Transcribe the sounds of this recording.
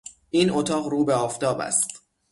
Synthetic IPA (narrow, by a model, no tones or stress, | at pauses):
ʔiːnʔot̪ʰɒːʁɾuːbeɒːft̪ʰɒːbæ̰st̪